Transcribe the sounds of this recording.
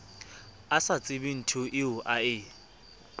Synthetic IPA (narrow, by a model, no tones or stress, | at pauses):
asat͡sʼɪbin̩tʰʊʔɪʊʔaɪ